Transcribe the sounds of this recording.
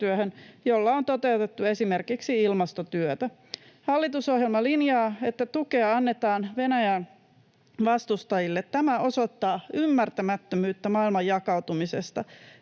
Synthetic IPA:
t̪yøhønjolːɑont̪o̞t̪e̞uwt̪et̪ːue̞sime̞rkiksiilmɑst̪ot̪yøt̪æ | hɑlːit̪uso̞hjelmɑlinjɑːe̞t̪ːæt̪ukeɑɑnːet̪ɑːnʋe̞næjæn | ʋɑst̪ust̪ɑjilːet̪tæmæo̞so̞t̪ːɑːymːært̪æmæt̪ːømyːt̪ːæmɑilmɑjjɑkɑwt̪umise̞st̪ɑ

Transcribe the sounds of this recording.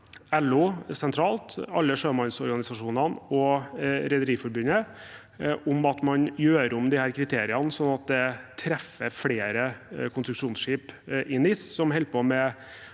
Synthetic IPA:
ɛlʊsɛnt̪ʰɾɑːlt̪ɑlːəʂøːmɑnsɔɾɡɑnɪsɑʂuːnənɔɾɛd̪əɾiːfɔɾbʉnə | ʔʊmɑt̪mɑnjøːɾʊmd̪ɪhæːɾkʰɾɪt̪ʰeːɾɪɑnəsɔnːɑt̪̚d̪ɛt̪ʰɾɛfəfɽeːɾəkʰʊnsɾʉkʂuːnsʂiːpʔɪnɪssɔmɦɛlpomɛ

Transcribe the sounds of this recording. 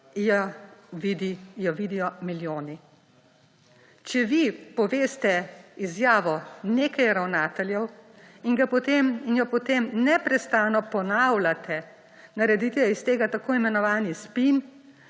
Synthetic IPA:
jaʋid̪ijɔʋid̪ijɔmiljoːni | t͡ʃɛʋipɔʋeːst̪ɛizjaːʋɔneːkajɾawnaːt̪ɛljɛw | inɡapɔt̪eminjɔpɔt̪eːmnɛpɾɛst̪aːnɔpɔnawlat̪ʰɛ | naɾɛd̪it̪ɛjɔist̪eːɡat̪akoːimɛnɔʋaːnispin

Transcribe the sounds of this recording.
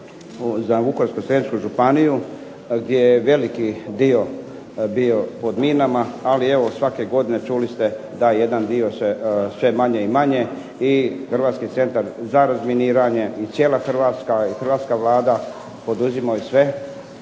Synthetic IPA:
zaʋukoɾskosɾet͡ʃkuʒupaniju | ɡd̪jejeʋe̞likid̪io̞ | bio̞po̞d̪minamaːlie̞ʋosʋake̞ɡo̞d̪ine̞t͡ʃulist̪e̞ | d̪aje̞d̪and̪io̞sesʋe̞maɲe̞imaɲe̞ | ixr̩ʋaːt̪skit̪se̞nt̪aɾzaɾazminiːɾaɲe̞it̪sje̞ːlˠaxr̩ʋaːt̪skaixɾrʋaːt̪skaʋlaːd̪a | po̞d̪uzimajisʋe̞

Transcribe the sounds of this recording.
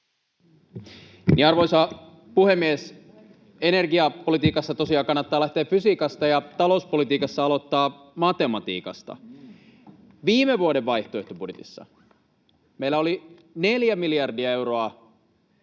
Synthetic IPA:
niɑrʋojsɑ | puhe̞mːies | e̞ne̞rɡiɑpolit̪iːkɑsːɑt̪o̞siɑːkɑnːɑt̪ːɑːlæht̪eːffysikɑst̪ɑjɑt̪ɑlo̞uspo̞lit̪iːkɑsːɑɑlo̞t̪ːɑː | mɑt̪e̞mɑt̪ḭːkɑ̰st̪ɑ̰ | ʋiːmeʋuoɾeʋʋɑjht̪oe̞ht̪obudjet̪ḭsːɑ̰ | meilːæo̞li | ne̞ljæmiljɑrdiɑe̞wɾoɑ

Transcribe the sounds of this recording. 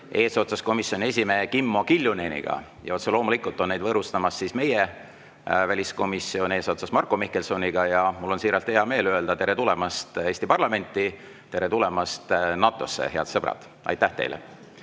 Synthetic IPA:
e̞ːso̞t̪sɑsko̞misjo̞nie̞s̬ʲimekimːo̞kilʲjunenʲḭɡ̥ɑ̰ | jɑot̪selo̞ːmulikːˑult̪ːˑo̞nne̞jd̪vɤːɾust̪ɑmɑsːisme̞je | vælʲisko̞misːio̞nʲe̞ːso̞t̪sɑsmɑrkːˑomihkːe̞lso̞niɡ̥ɑjɑmulːo̞nsiːɾɑlt̪heɑme̞ːløeld̪ɑt̪e̞ɾe̞t̪ule̞mɑst̪e̞ːsʲt̪ipɑrlɑme̞nʲt̪ːˑi | t̪e̞ɾe̞t̪ule̞mɑst̪nɑːt̪ːˑo̞̰sːḛhe̞ɑ̰d̪̥sɤb̥ɾɑ̰d̪̥ | ɑ̰jt̪ːˑæht̪e̞̰jlḛ

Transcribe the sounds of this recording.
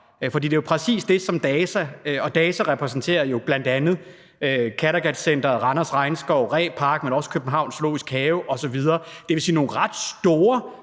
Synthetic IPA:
fɒ̽d̥ḭːd̥e̝jopʰʁɛsḭːsd̥e̝sɒ̽md̥ɛːsæɒ̽d̥ɛːsæʁɛpʰʁɛsn̩t͡sʰe̝̰ːɐjo̝b̥læn̰d̥ænð̞̩ˠ | økʰæɾɐɡ̥æd̥sen̰d̥ɐʁɑ̈nɐsʁɑ̈ɪnsɡ̥ɒʊ̰ʁɛ̰ːpʰɑ̈ɡ̥̚menɒ̽sə̥kʰøb̥n̩ɦɑ̈ʊ̰nslo̝̰ːisɡ̥hɛːʊʔɒ̽sɒ̽ʋið̞ˠɐːd̥e̝ʋe̝sḭːno̝ːʁɑ̈d̥sd̥o̝ːɐ

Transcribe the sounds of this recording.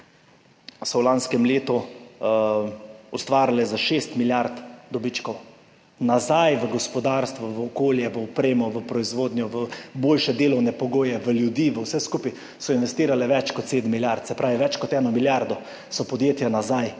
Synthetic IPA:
sɔwlanskɛmleːt̪ɔ | ɔst̪ʋaːɾlɛzaʃest̪miljaɾt̪d̪ɔbit͡ʃkɔw | nazajʋəɡɔspɔd̪aɾst̪ʋɔʋəɔkoːljɛʋəɔpɾeːmɔʋəpɾɔizʋoːd̪njɔʋəboːlʃɛd̪eːlɔwnɛpɔɡoːjɛʋəljud̪iːʋəwsɛskupij | sɔinʋɛst̪iːɾalɛʋɛt͡ʃkɔt̪seːd̪mːiljaɾt̪sɛpɾʔaːʋiʋɛt͡ʃkɔt̪ɛːnɔmiljaɾd̪ɔ | sɔpɔd̪jeːt̪janazaj

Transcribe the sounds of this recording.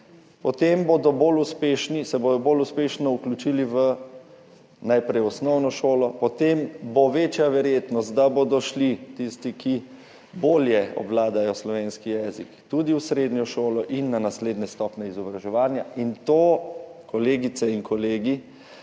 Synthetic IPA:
pɔt̪emboːd̪ɔboːluspeːʃnisɛboːd̪ɔboːluspeʃnɔuklʲut͡ʃiliʋə | najpɾɛjɔsnɔwnɔʃoːlɔpɔt̪emboʋeːt͡ʃjaʋɛɾjeːt̪nɔst̪̚d̪aboːd̪ɔʃlit̪ist̪iki | boːljɛɔ̰blaːd̪ajɔslɔʋenskijɛːzikt̪ud̪iwsɾeːd̪njɔʃoːlɔʔinːanasleːd̪nɛst̪ɔːpnɛizɔbɾaʒɛʋaːnjaint̪oːkɔleːɡit̪sɛiŋkɔleːɡi

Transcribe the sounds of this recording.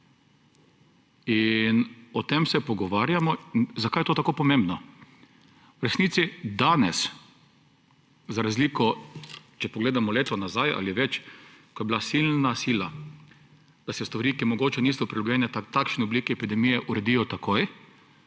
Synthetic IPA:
inɔt̪emsɛpɔɡɔʋaːɾjamɔinzakajɛt̪oːt̪akoːpɔmẽmbnɔ | wɾɛsniːt̪sid̪anɛs | zaɾazliːkɔ | t͡ʃɛpɔɡleːd̪amɔleːt̪ɔnazajʔa̰liʋɛt͡ʃkɔjɛbilasilnasiːla | d̪̥asɛst̪ʋaɾiːkimɔɡoːt͡ʃɛniːsɔpɾilɔɡjɛnɛt̪akʃnɛɔbliːkiɛpid̪ɛmijɛʔuɾɛd̪ijɔt̪akʰoj

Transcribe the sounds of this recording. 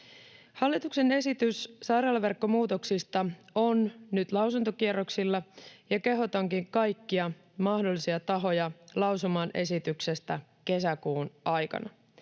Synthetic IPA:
hɑlːit̪ukse̞ne̞sit̪yssɑjrɑːlɑʋe̞rkːo̞muːt̪o̞ksist̪ɑonnyt̪lɑwsunt̪okieɾo̞ksilːɑjɑke̞ɦo̞t̪ɑŋkiŋkɑjkːiɑ | mɑhdolːisiɑt̪ɑɦo̞jɑlɑwsumɑːnʔe̞sit̪ykse̞st̪æke̞sækuːnɑjkɑ̰nɑ

